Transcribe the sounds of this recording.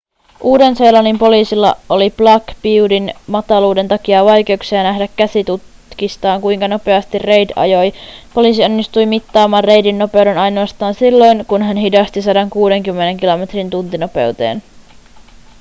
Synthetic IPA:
ʔuːde̞nse̞ːlɑnimpo̞liːsilːɑ̰oliplɑkpiudinmɑt̪ɑluːde̞nt̪ɑkiɑʋɑjk̟e̞uksiɑnæhdækːæsit̪ut̪ | kist̪ɑːŋkujŋkɑno̞pe̞ɑst̪irre̞jdɑ̰jo̞jpo̞liːs̬io̞nːist̪ujmit̪ːɑːmɑːrre̞jdinːo̞pe̞wde̞nɑjno̞ɑst̪ɑːnsilːo̞jnkunɦænɦidɑst̪isɑdɑŋkuːde̞ŋkymːene̞ŋkilo̞me̞t̪rint̪unt̪ino̞pe̞̰wt̪e̞̰ːn

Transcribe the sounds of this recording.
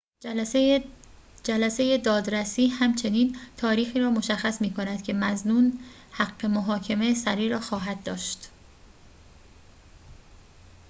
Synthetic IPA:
d͡ʒælæse̞je̞d̪ɒːd̪ɾæsiːhæmt͡ʃʰe̞niːnt̪ʰɒːɾiːxiːɾɒːmo̞ʃæxːæsmiːkʰo̞næd̪̥cʰe̞mæznuːn | hæɡːe̞moɦɒːcʰe̞mesæɾiːɾɒːxɒːɦæd̪̚dːɒːʃt̪

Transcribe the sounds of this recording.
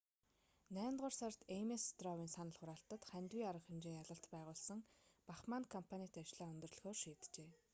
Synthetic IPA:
næːnt̪ʁʊrsart̪emest̪rɔwiːnsanə̆ɮχʊɾaːɬt̪ə̆t̪χænʲt̪wiːaɾə̆χxemt͡ɕiːŋjaɮə̆ɬt̪pæːʁʊːɮsə̆ŋpaχmaːnkʰɔmpʰanʲit̪ʰeːat͡ɕɮaːɵnʲt̪ɵ̆rɮ̆xoːrʃiːt̪t͡ɕeː

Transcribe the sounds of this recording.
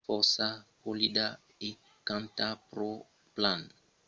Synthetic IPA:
fɔɾsakolid̪a | e | kãnt̪apɾo | plãn

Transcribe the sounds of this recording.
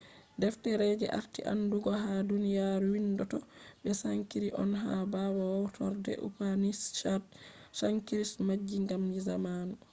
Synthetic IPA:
dɛftɛɾɛd͡ʒɛ̰ʔa̰ɾtḭʔa̰nːduɡɔɦadunijaɾuwindɔtɔɓɛsaŋkiɾiʔɔnɦabawawɔwtʰɔɾdɛ̰ʔṵpanist͡ʃaɾdsaŋkiɾismad͡ʒːiŋɡamnizamaːnu

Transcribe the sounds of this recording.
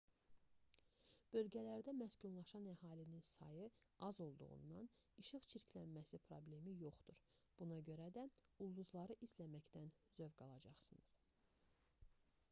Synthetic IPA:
b̥ø̞lɟælæɾd̪æmæsɟunlˠɑʃɑnæhɑːlininsɑ̰jɯ | ɑzo̞lˠd̪ṵʁṵnːɑniʃɯχt͡ʃʰiɾcʰlænmæsipʰɾo̞ble̞mijo̞χd̪uɾb̥unɑɟø̞ɾæd̪æulˠːuzlˠɑɾɯʔislæmæcd̪ænzøvɡɑlˠɑd͡ʒɑχsɯnɯz̥

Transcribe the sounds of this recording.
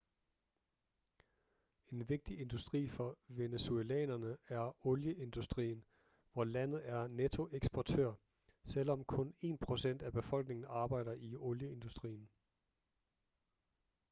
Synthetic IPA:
e̝nʋe̝ɡ̥̚d̥iʔe̝nd̥usd̥ʁḭːfɒ̽ʋe̝neselɛ̰ːnɐnəæɐɔ̽ljəʔe̝nd̥usd̥ʁḭːn̩ | ʋɒlæn̰ð̞̩ˠæɐnet͡sʰo̝ʔeɡ̥sb̥ɒt͡sʰø̰ɐ̰ | sel̰ɒ̽mkʰɔ̽ne̝̰ːnpʰʁo̝sen̰d̥æb̥e̝fɒ̽l̰ɡ̥ne̝ŋn̩ɑ̈ːb̥ɑ̈ɪ̰ɾ̥ɐʔiɔ̽ljəe̝nd̥usd̥ʁḭːn̩

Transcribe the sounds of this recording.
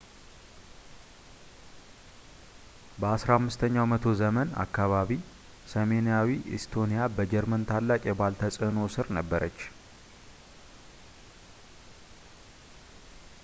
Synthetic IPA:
bəasɾahamːɨst̪ʰəɲːawmət̪ʰo̞zəməna̰kːaβaβi | səme̞nijawiʔɪ̰st̪ʰo̞nijabəd͡ʒɛɾmənt̪ʰalːakʼjɛbalt̪ʰəsʼɨno̞sɨɾnəbːəɾət͡ʃː

